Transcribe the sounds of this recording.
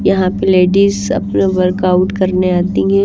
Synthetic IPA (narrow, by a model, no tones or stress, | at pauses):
jɐɦãpeleːɖizɐ̰pnaʋɐɾkaʊʈkɐɾneaːt̪iɦɛ̃ː